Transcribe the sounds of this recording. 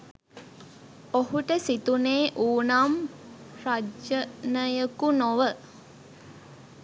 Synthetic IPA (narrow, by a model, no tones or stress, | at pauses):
ohuʈəsit̪uneːʔuːnamrad͡ʒənəjəkunoʋə